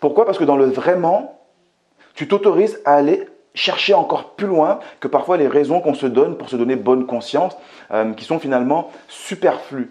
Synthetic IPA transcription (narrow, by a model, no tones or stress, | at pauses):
puʁkwapaʁsəkəd̪ɑ̃ləvʁɛmɑ̃ | t̪yt̪ot̪ɔʁizaːle | ʃɛʁʃeɑ̃kɔʁplylwɛ̃kəpaʁfwaleʁɛzɔ̃kɔ̃səd̪ɔnpuʁsəd̪ɔnebɔnkɔ̃sjɑ̃sømkʲi̥sɔ̃finalmɑ̃sypɛʁfly